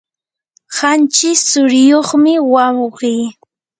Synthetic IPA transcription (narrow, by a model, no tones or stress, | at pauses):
hant͡ʃɪsʊɾɪjoχmɪwawɢij